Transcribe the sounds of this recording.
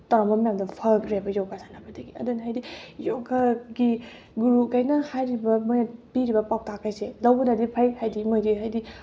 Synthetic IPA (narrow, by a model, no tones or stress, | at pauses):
taɾamɐmɐjamdɐpʰakʰɾiabɐjɔkazʰanabɐdɐɡiɐ̰dunɦajdijoɡaɡi | ɡuɾukajnɐhajɾibɐmojnapiɾibɐpaw̚takajselɐwbɐnadipʰajhajdimojdiɦajdi